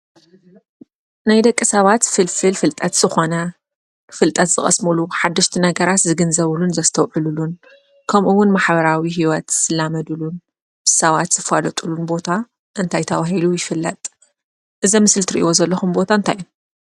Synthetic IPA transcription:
najd̪ɐkʼːɨsɐβat̪fɨlfɨlfɨlt̪ʼɐt̪z̥ɨxo̞nɐ | fɨlt̪ʼɐt̪z̥ɨχʼɐ̰smɨluħad̪ːɐʃt̪ʰinɐɡɐɾat̪zɨɡɨnzɐβlunzɐst̪ʰɐwʕɨlulun | kʰɐmʔuwʊnmaħbɐɾawiɦiwɐt̪sɨlamɐd̪ulun | b̥ɨsɐβat̪z̥ɨfalɐt̪ʼulunbo̞t̪ʰa | ʔɨnt̪ʰajt̪ʰɐβaɦilujɪfɨlːɐt̪ʼ | ʔɨzɐmɨsɨlt̪ʰɨɾiʔḭwo̞zɐlːɐxumbo̞t̪ʰaɨnt̪ʰaju

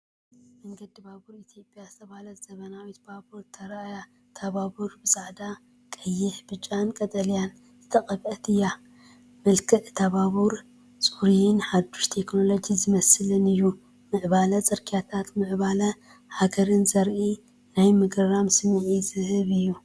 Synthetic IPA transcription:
mɐŋɡɐd̪ibabuɾit̪ʰjo̞pʼjazɨt̪ʰɐβalɐt̪z̥ɐβɐnawit̪babuɾt̪ʰɐɾaja | t̪ʰaβabuɾbɨsʼaʕd̪a | kʼɐjːɪħbɨt͡ʃʼːankʼɐt̪ʼɐlijan | zɨt̪ʰɐkʼɐβʔɐt̪ʰɨjːa | mɐlkʰɨʔt̪ʰaβaβuɾ | t͡sʼuɾijɪnħad̪ːuʃt̪ʰe̞kno̞lo̞d͡ʒizɨmɐsɨlɨnɨjːu | mɨʕbalɐt͡sʼɐɾkʰijat̪ʰat̪mɨʕbalɐ | haɡɐɾɨnzɐɾʔi | najmɨɡɾɐɾamsɨmʕizɨhɨβɨjːu

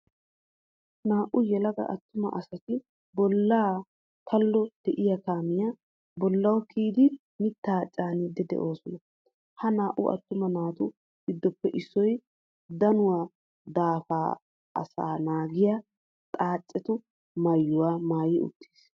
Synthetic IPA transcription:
naːʔʊjɛlɐɡɐ̰ʔɐt̪ːʊmɐ̰ʔɐsɐt̪ɪ | bɔlːaː | t̪ʰɐlːɔd̪̥ɛʔɪjɐkaːmɪja | bɔlːɐwkiːd̪ɪ | mɪt̪ːaːt͡ʃʼaːnɪd̪ːɛd̪ɛ̰ʔoːsɔnɐ | hɐnaːʔʊ̰ɐ̰t̪ːʊmɐnaːt̪ʊ | ɡɪd̪ːɔpːɛʔɪsːɔj | d̪ɐnʊwaː | d̪aːfaː | ɐ̰sa̰ːnaːɡɪja | t̪ʼaːt͡ʃʼːɛt̪ʊ | mɐjːʊwaːmaːjɪʔʊ̰t̪ʰːi̥ːs

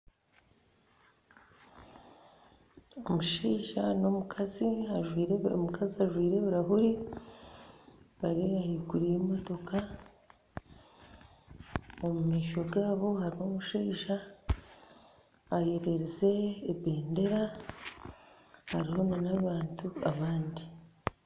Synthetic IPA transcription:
omuʃiːʒano̞mukʰaziaʒwiːɾmukʰaziaʒwiːɾe̞βuɾaɦuɾi | βaɾiβahiːkuɾijemo̞to̞ka | omumeːʃo̞ɡaːβo̞haɾiho̞muʃiːʒa | je̞ɾe̞ɾize̞ːβe̞ːnde̞ɾa | haɾiho̞nanaβaːntʰuaβaːndi

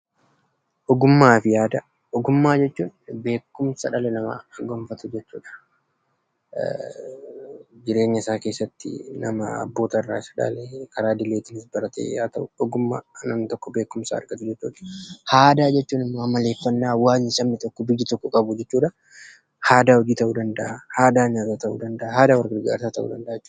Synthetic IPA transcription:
ʔɔɡʊmːaːfɪjaːd̪ɐ | ʔɔɡʊmːaːd͡ʒɛt͡ʃːuːnbe̞ːkːʊmsɐᶑɐlɛnɐmɐ̰ɐɡɔmfɐt̪ʊd͡ʒɛt͡ʃːṵːᶑɐ̥ | d͡ʒɪɾe̞ːɲːɐɪsaːke̞ːsːɐt̪ːɪ̰nɐmɐɐ̰bːo̞ːt̪ɐrːa̰ːɪsɐ̥ᶑɐ̰lɛkʰɐɾaːd̪ɪlːeːt̪ɪnɪsbɐɾɐt̪ḛjaːt̪ɐʔʊᶑɔɡʊmːa̰ːnɐmnɪt̪ɔkːɔbe̞ːkʊmsa̰ːɾɡɐt̪ʊd͡ʒɛt͡ʃːṵːᶑɐ̥haːd̪aːd͡ʒɛt͡ʃːuːnɪmːɐmɐle̞ːfːɐnːaːwaːɲɪsɐmːɪt̪ɔkːɔbɪjːɪt̪ɔkːɔkʼɐbʊd͡ʒɛt͡ʃːuːᶑɐ | haːd̪aːwɔd͡ʒiːt̪ɐʔuːd̪ɐnd̪ɐʔahaːd̪aːɲaːt̪at̪ɐʔṵːd̪ɐnd̪ɐʔahaːd̪aːwɐɾɡɪɾɡa̰ːɾsaːt̪ɐʔṵd̪ɐnd̪ɐʔːd͡ʒɛt͡ʃːuː

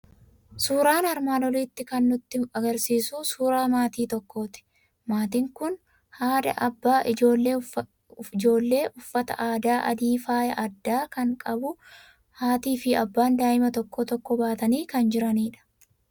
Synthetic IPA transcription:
suːɾaːnɐɾmaːnɔliːt̪ːɪkɐnːʊt̪ːɪɐɡɐɾsiːsuːsuːɾaːmaːt̪iːt̪ɔkːoːt̪ɪ̥ | maːt̪ɪŋkʊn | haːd̪ɐ̰ʔɐbːaːʔɪd͡ʒoːlːe | ɪd͡ʒo̞ːlːe̞ːʔʊfːɐt̪ɐ̰ʔaːd̪aːʔɐd̪iːfaːjɐʔɐd̪ːaːkɐŋkʼɐbʊ | haːt̪iːfɪɐbːaːnd̪aːʔɪmɐt̪ɔkːɔt̪ɔkːɔbaːt̪ɐniːkɐnd͡ʒɪɾɐniːᶑɐ̥

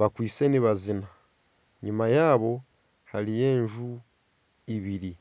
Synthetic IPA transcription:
βakwiːt͡se̞niβazina | ɲumajaːβo̞ | haɾije̞ːɲʒu | iβiɾi

